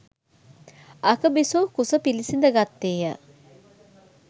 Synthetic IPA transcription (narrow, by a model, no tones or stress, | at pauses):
ɐkəbisoːkusəpilisind̪əɡat̪ːeːjə̰